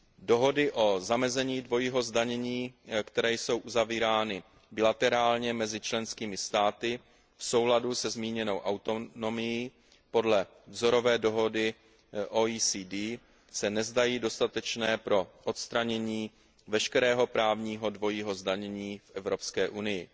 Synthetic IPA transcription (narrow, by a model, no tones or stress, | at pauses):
do̞ɦo̞dɪʔo̞zamɛzɛɲiːdvo̞jiːɦo̞zdaɲɛɲiːkt̪ɛɾɛːjso̞wʔuzaviːɾaːnɪ | bɪlat̪ɛɾaːlɲɛmɛzɪt͡ʃlɛnskiːmɪst̪aːt̪ɪ | fso̞wladusɛzmiːɲɛno̞wʔawt̪o̞no̞mɪji | po̞dlɛ | vzo̞ɾo̞vɛːdo̞ɦo̞dɪ | ʔoisiːdiː | sɛnɛzdajiːdo̞st̪at̪ɛt͡ʃnɛːpɾo̞ʔot̪st̪ɾaɲɛɲiː | vɛʃkɛɾɛːɦo̞pɾaːvɲiːɦo̞dvo̞jiːɦo̞zdaɲɛɲiːfʔɛvɾo̞pskɛːʔunɪjɪ